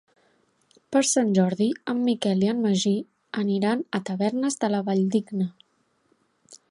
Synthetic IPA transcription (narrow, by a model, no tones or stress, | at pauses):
pəɾsanʲʒɔɾðiəmːikɛliənməʒi | əniɾanət̪əβɛɾnəzðələβaʎd̪iɡnə